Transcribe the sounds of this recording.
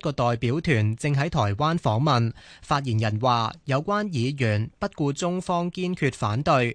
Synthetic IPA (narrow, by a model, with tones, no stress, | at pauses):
kɔː˧t̪ɔː˨jpiː˨˥wt̪ʰyː˨˩nt͡sɪ˧ŋɦɐ˨˥jt̪ʰɔː˨˩jwaː˥nfɔː˨˥ŋmɐ˨nfaː˧t̚jiː˨˩njɐ˨˩nwaː˨jɐ˨˧wkʷaː˥njiː˨˧jyː˨˩npɐ˥t̚kuː˧t͡sʊ˥ŋfɔː˥ŋkiː˥nkʰyː˧t̚faː˨˥nt̪ɵ˧ɥ